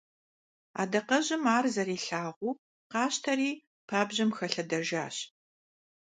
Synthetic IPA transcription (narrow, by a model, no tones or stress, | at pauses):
a̰ːdɐqɐʑɪmaːrzɐɾiːɬaːʁʷuː | qɑːɕtʰɐriː | pʰaːbʑɪmxɐɬɐdɐʒaːɕ